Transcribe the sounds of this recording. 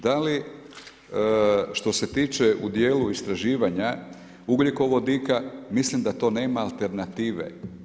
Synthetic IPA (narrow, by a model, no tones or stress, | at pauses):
d̪ali | ʃt̪o̞se̞t̪iːt͡ʃeʔud̪jeːluist̪ɾaʒiːʋaɲa | uɡlʲiko̞ʋod̪ikamislimd̪at̪o̞ːne̞ːmaːlt̪e̞ɾnat̪iːʋḛ